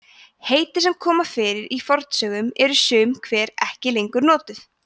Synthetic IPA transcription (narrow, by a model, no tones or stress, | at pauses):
heːjt̪ɪsɛmkʰɔːmafɪːɾɪɾifɔɾt̪sœːɣʏmɛɾʏsʏːmkʰvɛːɾɛhcɪlejŋkʏɾnɔːt̪ʏθ